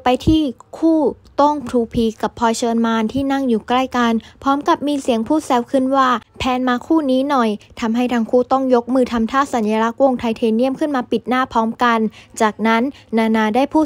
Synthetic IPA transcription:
pa˧jt̪ʰiː˥˩kʰuː˥˩t̪o˥˩ŋpʰɾʰuː˧pʰiː˧˩ka˨˩pʰɔː˧jt͡ɕʰɤː˧nmaː˧nt̪ʰiː˥˩na˥˩ŋjuː˨˩kla˥˩jka˧npʰɔː˦˥mka˨˩p̚miː˧si˨˩˦əŋpʰuː˥˩sɛː˧˥wkʰɯ˥˩nwaː˥˩pʰɛː˧nmaː˧kʰuː˥˩niː˦˥nɔ˨˩jt̪ʰa˧mɦa˥˩jt̪ʰaː˧ŋkʰuː˥˩t̪ɔ˥˩ŋjo˦˥k̚mɯː˧t̪ʰa˧mt̪ʰaː˥˩sa˨˩˦njaː˧la˦˥k̚wo˧ŋt̪ʰa˧jt̪ʰeː˧ni˥˩əmkʰɯ˥˩nmaː˧pi˨˩t̪̚naː˥˩pʰɔː˦˥mka˧nt͡ɕaː˨˩k̚na˦˥nːaː˧naː˧daː˥˩jpʰuː˥˩

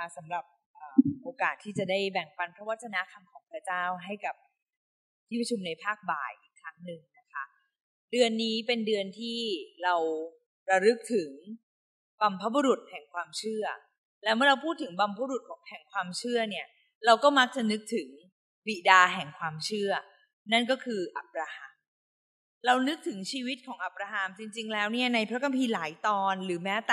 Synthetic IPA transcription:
a˥˩sa˩˦mɾa˨˩p̚ʔəː˨˩ʔoː˧kaː˨˩t̪ʰːiː˥˩t͡ɕa˨˩da˥˩jbɛ˨˩ŋpa˧npʰɾɔ˦waː˥˩t͡ɕʰa˧na˦˥kʰa˧mkʰɔː˩˦ŋpʰɯɾa˥˩t͡ɕaː˥˩wɦa˥˩jka˨˩p̚ | t̪ʰiː˥˩pɾa˧t͡ɕʰu˧mna˧jpʰaː˥˩k̚ba̰ː˨˩jʔi˨˩kʰɾa˦˥ŋnɯ˨˩ŋna˦˥kʰa˦˥ | dɯ˧ənːiː˦˥pe˧ndɯ˧ənt̪ʰiː˥˩ɾa˧w | ɾa˧ɾɯ˦˥k̚t̪ʰɯ˨˩˦ŋ | ba˧mpʰa˦˥bu˧ɾu˨˩t̪̚hɛ˨˩ŋkʰwaː˧mt͡ɕʰɯ˥˩ɐ | lɛː˦˥wmɯ˥˩ɐɾa˧wpʰuː˥˩t̪ʰːɯ˩˦ŋba˧mpʰa˦bɾu˨˩t̪̚kʰɔː˩˦ŋpʰɛː˨˩ŋkʰwaː˧mt͡ɕʰɯ˥˩ɐni˥˩ɐ | ɾa˧wkɔː˥˩ma˦˥k̚t͡ɕa˨˩nɯ˦˥k̚t̪ʰɯ˩˦ŋ | bi˨˩daː˧ɦɛ˨˩ŋkʰwaː˧mt͡ɕʰɯ˥˩ɐ | na˥˩nkɔː˥˩kʰɯː˧ʔa̰˨˩p̚ɾaː˧ha˧m | ɾa˧wnɯ˦˥k̚t̪ʰɯ˩˦ŋt͡ɕʰiː˧wi˦˥t̪̚kʰɔː˩˦ʔa˨˩p̚ɾaː˧ɦa˧mt͡ɕi˧ŋt͡ɕi˧ŋlɛː˦˥wni˥˩ɐna˧jpʰɾa˦˥ka˧mpʰiː˧laː˩˦jt̪ɔː˧nɾɯː˩˦mɛː˦˥t̪ː

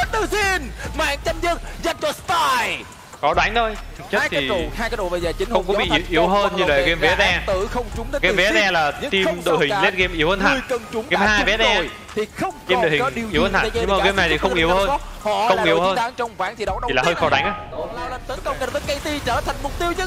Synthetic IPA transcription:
t̪ɨ˨˩zi˧ənmaː˧˩˨ŋt͡ɕa˧mzə˧ŋza˧nt͡ɕɔ˧˩st̪a˧j | kɔ˨˦ɗwa˨˦jŋ̟t̪ʰo˧jt̪ʰɨ˨˩t͡ɕə˦˥˦jkt̪ʰːhaː˧jkaː˨˦jɗo̰˧˨˩və˨˩zaː˨˩t͡ɕï˨˦ŋ̟hxə˧wŋ͡mkɔ˨˦˧ɓi˨˧˨i˧˨wʔi˨˦əwɦəː˧nɲɨ˧və̰˨ke˧mvɛ˨˦˥tɛ˧t̪ɨ˧˩xə˧wŋ͡mt͡ɕʊ˨˦ŋ͡mɗə˨˦ke˧˨˧mvɛ˨˦˥ɛ˧laː˨˩˦t̪i˧mɗo̰˧˨hï˨˩ŋ˧le˦˥t̚ke˧mʔi˧˩˦əwhəː˧nt̪ʰa̰˧ŋkə˨˩nt͡ɕʊ˨˦ŋ͡mke˧˦mhaː˧jvɛ˨˦˥ɛ˧˨ | t̪ʰi˨˩xə˧wŋ͡mke˧mɗo̰˧˨hï˨˦ɗi˧˨˦whəː˧nt̪ʰa˧˨˩ə˧˩keː˧˦mna˨˩t̪i˨˩xə˧˦ŋ͡mʔi˧˩˦əwhəː˧n˦hɔ̰˧˨xə˧wŋ͡mʔi˨˧˩ə˨whːnt̪aː˨˦ŋt͡ɕɔ˧wŋ͡mvaː˨˦nt̪ʰi˨ɗə˨˦wɗi˨laː˨˩həː˧jxɔ˧˦ɗwa˨˦jŋʔaː˨˦˧la˧wlə˧˩nt̪ə˨˦kə˧ŋe˨˩vəː˨˦jkə˧jt̪i˧t͡ɕəː˧˩t̪ʰa˨˩jŋ̟mʊ˨˩k͡p̚t̪i˧əwɲɨ˧˥

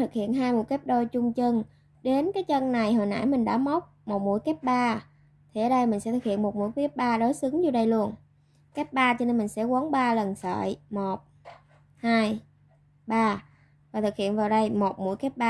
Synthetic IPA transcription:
ɨ˨˩k̚hḭ˧˨ənɦaː˧jmu˧˩˥jkɛː˦˥p̚ɗo˧jt͡ɕʊ˧ŋ͡mt͡ɕɨ˧ŋ | ɗe˨˦nkaː˨˦jt͡ɕə˧nna˨˩jɦo˨˩jna̰ː˧˥jmï˨˩ŋɗa̰ː˧˥mə˦˥wk͡p̚mo˨˩t̚mṵ˧˥əjkɛ˦˥p̚ɓaː˧ | t̪ʰi˨˩ʔəː˨˦ɗə˧jmï˨˩ŋ̟sɛ̰˧˥t̪ʰɨ˨˩k̚hḭ˧˨ənmo˨˩t̚mṵ˧˥əjkɛ˦˥p̚ɓaː˧ɗo˨˦jsɨ˨˦ŋzu˧˩ɗə˧jlu˧ən | kɛ˦˥p̚ɓaː˧t͡ɕɔ˧ne˧nmi˨˩ŋ̟sɛ̰˧˥ku˨˦əŋɓaː˧lə˨˩nsə̰ː˧˨jmo˨˩t̚ | haː˧j | ɓaː˧ | vaː˨˩t̪ʰɨ˨˩k̚hḭ˧˨ənvaː˨˩ɗə˧jmo˨˩t̚mṵ˧˥jkɛ˦˥p̚ɓaː˧

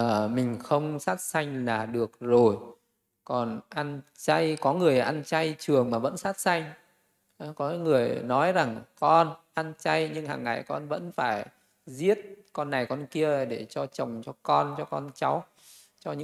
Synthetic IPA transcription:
əː˨˩mï˨˩ŋ̟xə˧wŋ͡msaː˦˥t̚sa˧jŋ̟laː˨˩ɗɨ˨˩ək̚zo˨˩j | kɔ˨˩nʔa˧nt͡ɕa˧jkɔ˨˦ŋɨ˨˩əjʔa˧nt͡ɕa˧jt͡ɕɨ˨˩əŋmaː˨˩və̰˧˥nsaː˦˥t̚sa˧jŋ̟˨˦ | kɔ˨˦ŋɨ˨˩əjnɔ˨˦jza˨˩ŋkɔ˧nʔa˧nt͡ɕa˧jɲɨ̰˧ŋha̰ː˨˩ŋːa̰˧˨jkɔ˧nvə̰˧˥nfaː˧˩j | zi˦˥ət̚kɔ˧nːa˨˩jkɔ˧nki˧əɗe˧˩t͡ɕɔ˧t͡ɕə˨˩wŋ͡mt͡ɕɔ˧kɔ˧nt͡ɕɔ˧kɔ˧nt͡ɕa˨˦w | t͡ɕɔ˧ɲɨ̰˧

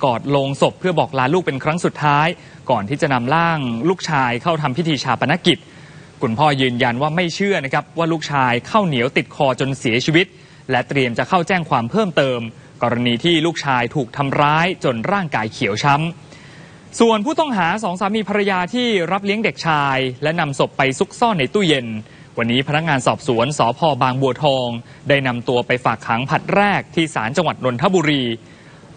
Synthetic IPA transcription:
kɔː˨˩t̪̚loː˧ŋso˨˩pʰːɯ˥˩ɐbɔː˨˩k̚laː˦˥luː˥˩k̚pe˧nkʰɾa˦˥ŋsu˨˩t̪ʰːaː˦˥j | kɔː˨˩nt̪ʰiː˥˩t͡ɕa˨˩na˧mlaː˥˩ŋluː˥˩k̚t͡ɕʰaː˧jkʰa˥˩wt̪ʰa˧mpʰi˦˥t̪ʰiː˧t͡ɕʰaː˧pa˧na˦˥ki˨˩t̪̚ | kʰu˧npʰɔː˥˩jɯː˧nja˧nwaː˥˩ma˥˩jt͡ɕʰɯ˥˩ɐna˦˥kʰɾa˦˥p̚waː˥˩luː˥˩k̚t͡ɕʰaː˧jkʰa˥˩wni˩˦wt̪i˨˩t̪̚kʰɔː˧t͡ɕo˧nsi˩˦t͡ɕʰiː˧wi˦˥t̪̚ | lɛ˦˥t̪ɾi˧əmt͡ɕa˨˩kʰa˥˩wt͡ɕɛː˥˩ŋkʰwaː˧mpʰɤː˥˩mt̪ɤː˧m | kɔː˧ɾa˧niː˧t̪ʰiː˥˩luː˥˩k̚t͡ɕʰaː˧jt̪ʰuː˨˩k̚t̪ʰa˧mɾaː˦˥jt͡ɕo˧nɾaː˥˩ŋkaː˧jkʰi˨˩˦əwt͡ɕʰa˦˥m | su˨˩ənpʰuː˥˩t̪ɔ˥˩ŋɦaː˩˦sɔː˩˦ŋsaː˩˦miː˧pʰa˧ɾa˧jaː˧t̪ʰiː˥˩ɾa˦˥p̚li˦˥əŋde˨˩k̚t͡ɕʰaː˧jlɛ˦˥na˧mso˨˩pːa˧jsu˦˥k̚sɔ˥˩nːa˧jt̪uː˥˩je˧n | wa˧nːiː˦˥pʰa˧na˦˥k̚ŋaː˧nsɔː˨˩p̚su˩˦ənsɔː˩˦pʰɔː˧baː˧ŋbu˧ɐt̪ʰɔː˧ŋ | daː˥˩jna˧mt̪u˧ɐpa˧jfaː˨˩kʰːaː˩˦ŋpʰa˨˩t̪̚ɾɛː˥˩k̚t̪ʰiː˥˩saː˩˦nt͡ɕa˧ŋwa˨˩t̪̚no˧nt̪ʰa˦˥˩buː˧ɾiː˧

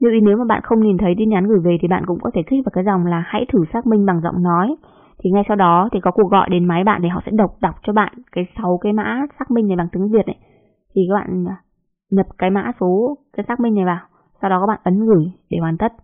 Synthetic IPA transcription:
ɲɨ˧wi˨˦ne˨˦wmaː˨˩ɓa̰ː˧˨nxə˧wŋ͡mni˨˩nt̪ʰə˨˦jt̪i˧nɲaː˨˦nɣɨ˧˩jve˨˩t̪ʰi˨˩ɓa̰ː˧˨nkʊ̰˧˥ŋ͡mkɔ˨˦t̪ʰe˧˩t̪ʰɪ˦˥k̚vaː˨˩wkaː˨˦jza˨˩wŋ͡mlaː˨˩ha̰˧˥jt̪ʰɨ˧˩saː˦˥k̚mï˧ŋ̟ɓa˨˩ŋzɔ̰˧˨wŋ͡mnɔ˨˦j | t̪ʰi˨˩ŋa˧jsa˧wɗɔ˨˦t̪ʰi˨˩kɔ˨˦ku˨˩ək̚ɣɔ̰˧˨jɗe˨˦nma˨˦jɓa̰ː˧˨nt̪ʰi˨˩ɦɔ̰˧˨sɛ̰˧˥ɗə˨˩wk͡p̚ɗa˨˩wk͡p̚t͡ɕɔ˧ɓa̰ː˧˨nkaː˨˦jsa˨˦wkaː˨˦jma̰ː˧˥saː˦˥k̚mï˧ŋna˨˩jɓaː˨˩ŋt̪ɨ˨˦ə˦vi˨˩ət̚ʔə˨˦j | t̪ʰi˨˩kaː˨˦˥kɓa̰ː˧˨n˨ | ɲə˨˩p̚kaː˨˦jma̰ː˧˥so˨˦kaː˨˦saː˦˥k̚mï˧ŋna˨˩jvaː˨˩w | sa˧wɗɔ˨˦kɔ˨˦ɓa̰ː˧˨nʔə˨˦nɣɨ˧˩jɗe˧˩waː˨˩nt̪ə˦˥t̚

